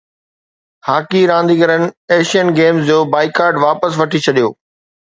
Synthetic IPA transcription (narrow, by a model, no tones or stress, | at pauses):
haːkiɾãːnd̪iːɡəɾənɪ̆eːʃijənɡeːmzd͡ʑoːbaːɪkaːɾɖʋaːpəsʋɐʈʰit͡ɕʰɐɗijo̰ː